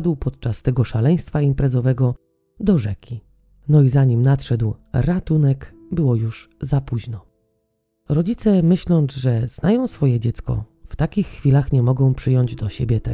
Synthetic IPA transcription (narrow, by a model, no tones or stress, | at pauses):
d̪wpɔt̪̚t͡ʂast̪ɛɡɔʂalɛj̃st̪faimpɾɛzɔvɛɡɔ | d̪ɔʐɛkʲi | nɔizaɲimnat̪ʂɛd̪wɾat̪unɛk | bɘwɔjuʐzapuʑnɔ | ɾɔd͡ʑit̪sɛmɘɕlɔ̃nzʐɛz̥najɔ̃w̃sfɔjɛd͡ʑɛt̪skɔ̰ft̪akʲixːfʲilaxɲɛmɔɡɔ̃w̃pʂɘjɔɲd͡ʑd̪ɔɕebʲjɛt̪ɛ